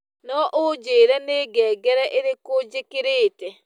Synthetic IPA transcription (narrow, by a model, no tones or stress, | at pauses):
nɔʔod͡ʒeːɾɛneːɡɛːɡɛɾɛʔeɾekod͡ʒekeɾeːtɛ